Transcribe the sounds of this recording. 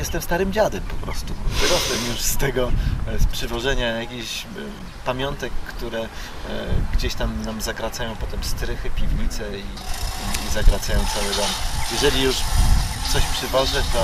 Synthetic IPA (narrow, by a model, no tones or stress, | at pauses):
jɛst̪ɛmst̪aɾɘmd͡ʑad̪ɛmpɔpɾɔ̰st̪uvɾɔɛmjuʂst̪ɛɡɔspʂɘvɔʐɛɲajakʲiɕ | pamʲjɔnt̪ɛkːt̪uɾɛ | ɡd͡ʑeɕt̪amnamzakɾat̪sajɔ̃w̃pɔt̪ɛmst̪ɾɘxɘpʲivɲit̪sɛiizakɾat̪sajɔ̃w̃t̪sawɘd̪ɔmjɛʐɛlʲijuʂt̪sɔɕpʂɘvɔʐɘt̪ɔ